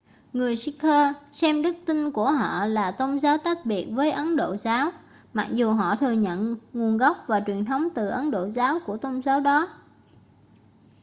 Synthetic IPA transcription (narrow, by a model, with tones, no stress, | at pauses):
ŋɨ˨˩əjsi˧˥kʰəː˧sɛ˧mɗɨ˦˥k̚t̪i˧nku˧˩əɦɔ̰˧˨laː˨˩t̪o˧wŋ͡mzaː˨˦wt̪a˦˥t̚ɓi˨˩ət̚vəː˨˦jʔə˨˦nɗo̰˧˨zaː˨˦w | ma˨˩k̚zu˨˩ɦɔ̰˧˨t̪ʰɨ˨˩əɲə̰˧˨nŋu˨˩ənɣa˦˥wp̚vaː˨˩t͡ɕwi˨˩ənt̪ʰə˨˦wŋ͡mt̪ɨ˨˩ʔə˨˦nɗo̰˧˨zaː˨˦wku˧˩ət̪o˧wŋ͡mzaː˨˦wɗɔ˨˦